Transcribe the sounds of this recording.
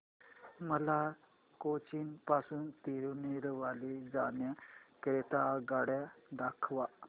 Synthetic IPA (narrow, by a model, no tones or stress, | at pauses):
məla | kot͡ɕiːnpasuːnt̪iɾuniɾʋalid͡zanjakɾet̪aɡaɽjad̪akʰʋa